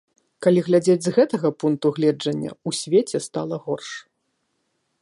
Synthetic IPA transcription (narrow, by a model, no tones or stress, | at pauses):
kalʲiɣlʲad͡zʲed͡zʲzɣɛt̪ɐɣɐpunk̚t̪uɣlʲɛd͡ʐɐnʲːɐ̰usʲvʲet͡sʲɛst̪a̰lˠɐɣɔrʂ